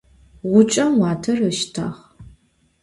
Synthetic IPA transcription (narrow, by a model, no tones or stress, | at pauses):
ʁʷʊt͡ʃʼɐmwɑːtʰɐrəʃtʰa̰ːχ